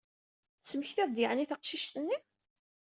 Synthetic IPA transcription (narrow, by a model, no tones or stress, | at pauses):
θt͡sːməçθæðd̪ɪʕniθɑqʃiʃt̪ənːi